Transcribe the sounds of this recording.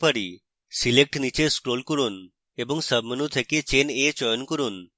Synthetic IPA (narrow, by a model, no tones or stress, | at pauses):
pəɽi | silek̚ʈnit͡ʃeskɾolkoɾun | ebɔŋsəbʱmənut̪ʰəket͡ʃenet͡ʃɔjɔnkɔɾun